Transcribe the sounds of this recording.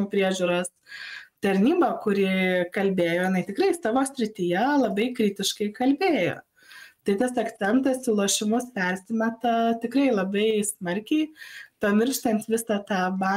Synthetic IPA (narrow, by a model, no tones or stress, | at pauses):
uːpʲɾʲiɛʒʲuːɾoːst̪ɐɾʲnʲiːbɐkʊɾʲɪkɐlʲbʲeːjoːjɪnɐɪt̪ʲɪkɾɐɪsɑːʋoːsʲɾʲɪt̪ʲijɛlˠɐbɐɪkɾʲɪːt̪ʲɪʃkɐɪkɐlʲbʲeːjo̰ː | t̪ɐɪt̪ɐsɐkt͡s̪ʲɛnt̪ɐsɪlˠuɔʃʲɪmʊspʲɛɾʲsʲɪmʲɛt̪ɐt̪ʲɪkɾɐɪlˠɐbɐɪsmɐɾʲkʲɛɪpɐmʲɪrʃt̪ɐnt̪ʋʲɪsɑt̪ɑːbɑ